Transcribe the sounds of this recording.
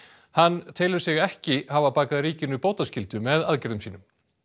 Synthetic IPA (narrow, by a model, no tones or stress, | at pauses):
hanːt̪ʰeːjlʏɾ̥sɪɣɛhcɪhavapaːkaðɾiːcɪnʏpoːwt̪ascɪlt̪ʏmɛðaðcɛɾðʏmsiːnʏm